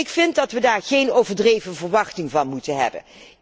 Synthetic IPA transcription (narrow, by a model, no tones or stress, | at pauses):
ɪkfɪntdɑtʋədaːɹχejnowvəɹdrejvəvəɹʋɑχtɪŋvɑnmutənɦɛ̰bə̰n